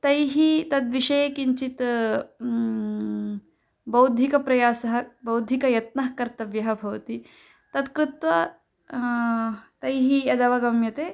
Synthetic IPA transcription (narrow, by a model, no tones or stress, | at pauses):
t̪ɐjɦit̪ɐd̪ʋiʃɐjekiɲt͡ʃit̪ | bɐwd̪ʱikɐpɾɐjaːsɐɦɐbɐwd̪ʱikɐjɐt̪nɐɦkɐɾt̪ɐʋjɐɦɐbʱɐʋɐt̪i | t̪ɐt̪kɾɪt̪ʋɐ | t̪ɐjɦiɐd̪ɐʋɐɡɐmjɐt̪eː